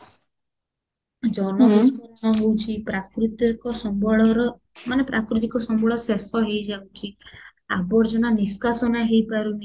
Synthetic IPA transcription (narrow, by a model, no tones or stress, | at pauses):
d͡ʒɔnɔɦuskɔnsɔɦewt͡ʃʰipɾakɾut̪ɔkɔsɔbɔɔɾɔ | manepɾʔakɾut̪̬ikɔsɔmbʱɔɭɔsesɔɦejd͡ʒawt͡ʃʰi | abɔɾd͡ʒɔnaniskasɔnaɦejpaɾuni